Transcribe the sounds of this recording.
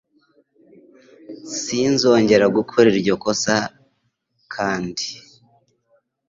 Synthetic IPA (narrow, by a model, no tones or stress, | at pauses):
sinzo̞ːɲɟe̞ɾaɡukʰoɾiɾɟo̞ko̞sa | kʰaːndi